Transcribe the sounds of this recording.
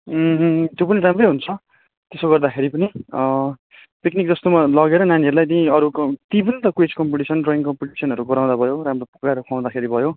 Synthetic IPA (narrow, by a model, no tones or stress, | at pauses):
t̪jopʌniɾamrʌjɦunt͡sʰʌ | t̪esoɡʌrd̪akʰeɾipʌni | piknik̚d͡zʌst̪omalʌɡeɾʌnaniʌɾulajt̪iĩʌɾukt̪ibʌnt̪ʌkwed͡zkʌmpiʈisʌnroiŋkʌmpiʈisʌnʌɾuɡʌɾaw̃d̪abʱʌjoɾamropu̥kaɾokʰaw̃d̪akʰeɾibʱʌjo